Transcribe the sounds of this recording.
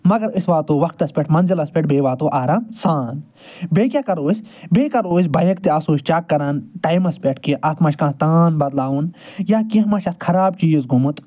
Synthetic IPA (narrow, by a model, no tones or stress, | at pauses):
mɐɡɐɾisʋaːt̪oːʋɐkt̪ɐsʲpʲeʈʰmɐnzilɐspʲeʈ̚ʰbeːʋaːt̪oːʔaːɾaːmsaːn | beːkʲjaːkɐɾoːsʲbeːkɐɾoːsʲbɐjɐkt̪iɐsoːʃt͡ʃaːkːɐɾaːnʈɐːjmɐspʲeʈʰkiʔɐt̪mɐʃkãːt̪aːnbɐd̪laːʋunjaːkĩɦmɐʃɐt̪kʰɐɾaːb̚t͡ʃiːzɡʱumut̪